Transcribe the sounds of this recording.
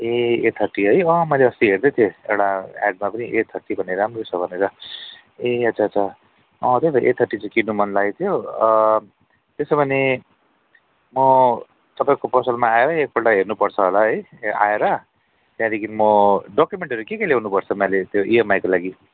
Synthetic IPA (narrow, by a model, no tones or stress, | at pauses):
eet̪ʰʌʈːiɦʌjʌmʌjleʌst̪iɦeɾd̪ʌt̪ʰjoḛwɽaa̰ɖ̚mapʌniʔet̪ʰʌʈːibʱʌneɾamrot͡sʰʌbʱʌneɾʌ | eʌtsʰaʌt͡sʰʌ | ʌt̪ʌbʱʌʔet̪ʰʌʈːit͡sãkiɖnumʌnlaɡet̪ʰijo | t̪esʌbʱʌne | mʌ | t̪ʌpaĩkopʌsʌlmaːeɾʌek̚pʰolʈaɦernupʌrt͡sʰʌɦolaɦʌja̰eɾʌ | t̪jãd̪ekʰinimʌɖokjumeɳʈʌɾukekelewnupʌɾt͡sʰʌmʌlet̪joʔiemajkolaɡi